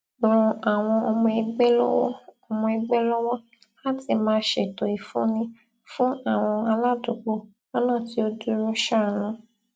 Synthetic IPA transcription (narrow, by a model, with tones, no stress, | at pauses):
ɾ̃ũ˧a˨w̃ɔ̃˧ɔ˧mɔ̃˧i˧ɡ͡bɛ˦lɔ̰˦wɔ̰˦ɔ˧mɔ̃˧i˧ɡ͡bɛ˦lɔ˦wɔ˦ | la˦ti˦˧˨mãː˧ʃe˨to˨i˨fũ˦nĩ˧ | fũ˦a˦˨w̃ɔ̃˧a˧la˦˨du˨k͡po˦ | a˦nãː˦˨ti˧˦o˧du˦ɾu˦ʃa˦˨nũ˦